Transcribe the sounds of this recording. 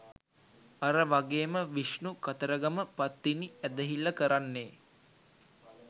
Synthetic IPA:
aɾəʋaɡeːməʋiʃnukat̪əɾəɡaməpat̪ːiniæd̪əɦilːəkəɾanːeː

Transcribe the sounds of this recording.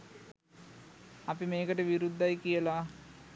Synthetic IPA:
ɐpimeːkɐʈeʋiɾud̪ʱːɐjkijɐlaː

